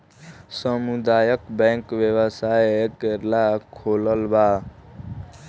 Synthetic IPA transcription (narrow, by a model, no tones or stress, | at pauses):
səmud̪ajəkbɛ̃ŋkʋjewəsajekeɾlakʰoləlba